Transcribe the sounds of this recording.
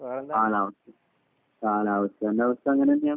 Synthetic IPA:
kaːlaːʋɐsɐ | kaːlaːʋɐsjɐɐnːɐaːʋɐst̪ɐɐŋːɐnenaːm

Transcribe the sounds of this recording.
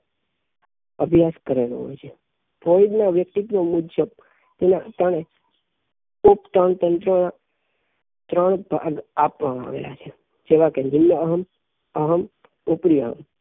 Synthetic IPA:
əbʱjaskəɾelo̰ɦo̰jt͡ʃʰe | foid̪naʋjək̚t̪ik̪nomudd͡ʒəb | t̪enat̪əɽ̃e | up̚t̪əɳt̪ənt̪ɾona | t̪ɾəɳbʱaɡapʋamãa̰ʋḛla̰t͡ʃʰe | d͡ʒeʋakend͡ʒimjəəɦəm | əɦəm | upɾijəɦə̰m

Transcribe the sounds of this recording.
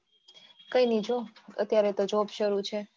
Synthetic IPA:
kəinid͡ʒoə̰t̪jaɾet̪od͡ʒobʃəɾut͡ʃʰe

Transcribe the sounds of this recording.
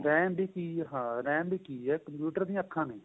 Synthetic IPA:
ɾɛːmbiːkiːɦãːɾɛ̃ːmbiːkiːɛːkəmpjuːʈəɾd̪ĩːãəkʰːãːnẽː

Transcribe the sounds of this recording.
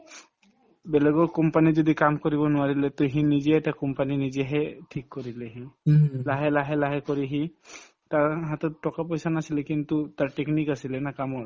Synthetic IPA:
beleɡokɔmpanid͡ʒod̪ikamkoɾibonuaɾilet̪ɔɦĩnid͡ʑeɛʈakɔmpaninid͡ʑeɦeʈʰikːoɾileɦĩlaɦelaɦelaɦekoɾiɦĩ | t̪aɾɦat̪ɔʈɔkapojsanasilekint̪ut̪aɾʈeknikasilenakamɔɾ

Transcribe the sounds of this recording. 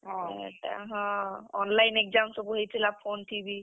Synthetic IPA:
ɦɔ̃ɛ̰ta̰ɦɔ̃ɔnlajnek̚zamsɔbuɦejtʰilapʰonʈʰibi

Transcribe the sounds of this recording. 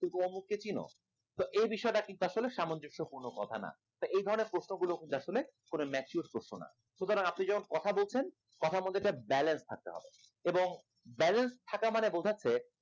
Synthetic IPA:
it̪omuk̚ːet͡ɕino̰ | t̪oʔejbiʃɔeʈakint̪uaʃoleʃamond͡ʑokʃopuɾnokɔt̪ʰa̰na̰ | t̪oejd̪ʱɔɾoneɾpɾosnoɡulokint̪uaʃolekonomɛt͡ɕuɾpɾoʃnona̰ | ʃut̪oɾaŋapnid͡ʑɛmonkɔt̪ʰabolt͡ɕʰen | kɔt̪ʰamold̪ʱeʈabɛlenst̪ʰak̚t̪ḛɦɔ̰bḛ | eboŋ | bɛlenst̪ʰakamanebolt̪ʰatːʰe

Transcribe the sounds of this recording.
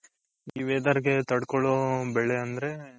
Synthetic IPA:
iːʋeːd̪aːɾɡet̪ɐɽkɔɭoːbɛɭeɐnd̪ɐɾe̞

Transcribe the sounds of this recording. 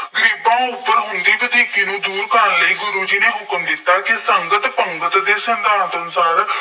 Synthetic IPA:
ɡəɾiːbãːʊpːəɾɦʊnd̪iːʋɪd̪iːkiːnũːd̪uːɾkənləiːɡʊɾuːd͡ʒiːneːɦʊkəmd̪ɪt̪ːaːkɪsəŋɡət̪pəŋɡət̪d̪eːsənd̪aːnt̪ənsaːɾ

